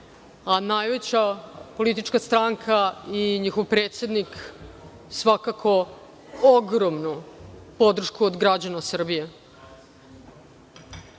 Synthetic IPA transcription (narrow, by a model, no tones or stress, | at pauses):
anajʋe̞t͡ɕapo̞lit̪it͡ʃkast̪ɾaŋkʰaiɲixovpɾeːt̪sed̪nik | sʋakakʰo̞ | oɡɾomnupo̞d̪r̩ʃkuod̪ɡɾad͡ʑanasr̩bije̞